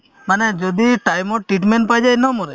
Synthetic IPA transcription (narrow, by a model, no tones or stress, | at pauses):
manɛd͡ʒɔd̪iʈajmɔʈɾiʈmɛnʈpajd͡ʒajnɔmɔɾɛ